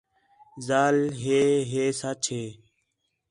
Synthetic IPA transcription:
zaːlɦeːɦeːsat͡ʃʰɦeː

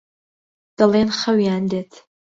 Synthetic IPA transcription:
d̥ɐleːnχɐwijaːndetʰ

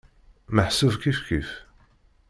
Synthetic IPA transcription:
məħsəvkifkif

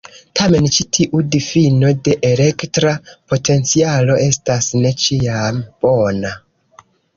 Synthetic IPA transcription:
tʰame̞nt͡ʃitʰiʔudifino̞de̞ʔele̞ktɾapo̞tʰe̞nt͡sialo̞ʔe̞stasne̞t͡ʃiamb̥o̞na

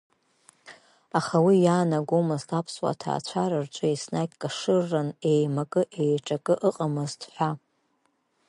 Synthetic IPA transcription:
aχawijaːnaɡʷomɨztʰapʰswa̰tʰa̰ːt͡ɕʷʰaɾɨrt͡ʃʷʼɨisnakʲʼkʼaʂɨrːane̞jmakʼɨʔejʈ͡ʂʼakʼɨʔɨqʼamɨztʰħʷᶣa

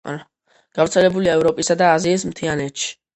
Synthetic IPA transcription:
a̰a | ɡ̥avɾt̪sʰɛlɛbuliaɛvɾɔpʼisad̪aːziːs̬mt̪ʰianɛt̪ʃi̥

